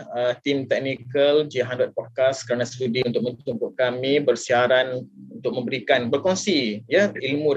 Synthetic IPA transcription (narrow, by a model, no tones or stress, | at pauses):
ət̪imt̪ɛk̚nikəld͡ʒiɦandɔt̪̚pɔd̚kaskəɾanãst̪udiunt̪ʊkmə̃t͡ʃuŋkʊʔkamĩbərsiaɾanunt̪ʊk̚mə̃mbəɾikanbərkɔŋsijəilmũd